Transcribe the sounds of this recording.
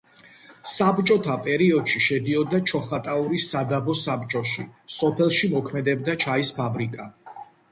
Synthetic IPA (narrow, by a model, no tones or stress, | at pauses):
sabt͡ʃʼɔt̪ʰapʼɛɾiɔd̪̥ʃiʃɛd̪iɔd̪at͡ʃʰɔχat̪ʼauɾisad̪abɔsabt͡ʃʼɔʃḭsɔpʰɛlˠʃimɔkʰmɛd̪ɛbd̪at͡ʃʰaispʰabɾikʼa